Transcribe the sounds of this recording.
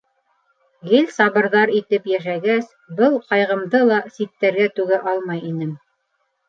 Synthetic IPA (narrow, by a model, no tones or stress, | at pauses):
ɡɘlʲsɑβɤ̆ɾðɑɾit̪ɘpjæʃæɡæs | bɤlˠqɑjʁɤ̆md̪ɤlˠɑsit̪ːæɾɡæt̪ʉɡæʔɑlˠmɑjinɘm